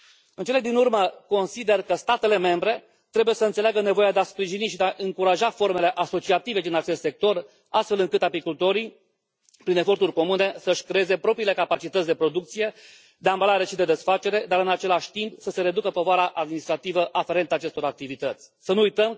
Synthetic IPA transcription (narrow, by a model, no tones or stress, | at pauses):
ɨnt͡ʃe̞led̪inurməko̞nsid̪e̞rkəst̪at̪e̞le̞me̞mbɾe̞ | t̪ɾe̞buje̞səɨnseleaɡəne̞vo̞jad̪easpɾiʒiniʃid̪eaʔɨŋkuɾaʒafo̞rme̞le̞ʔaso̞t͡ʃiat̪ive̞d̪inat͡ʃe̞st̪se̞k̚t̪o̞r | ast̪fe̞lɨŋkɨt̪apikult̪o̞ɾi | pɾine̞fo̞rt̪urʲko̞mune̞səʃʲkɾeeze̞pɾo̞pɾiːle̞kapat͡ʃit̪ət̪sʲd̪e̞pɾo̞d̪ukt̪sije̞ | d̪eambəlaɾeʃid̪e̞d̪e̞sfat͡ʃe̞ɾe̞d̪aɾɨnat͡ʃe̞laʃʲt̪impsəse̞ɾe̞d̪ukəpo̞voaɾaʔad̪̚minist̪ɾat̪ivəʔafe̞ɾe̞nt̪aːt͡ʃe̞st̪o̞ɾak̚t̪ivit̪ət̪sʲsənuujt̪əm